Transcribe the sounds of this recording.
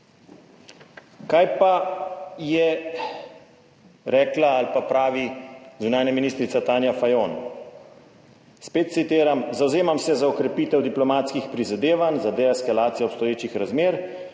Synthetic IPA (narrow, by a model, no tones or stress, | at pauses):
kajpajɛ | ɾɛːklaalpapɾaːʋizunaːnjaminiːst̪ɾit̪sat̪aːnjafajoːn | speːt̪̚t̪sit̪eːɾamzawzeːmamsɛzaɔkɾɛpiːt̪ɛwd̪iplɔmaːt̪skixpɾizad̪eːʋanzad̪ɛɛskalaːt̪sijɛɔpst̪ɔjeːt͡ʃixɾazmeːɾ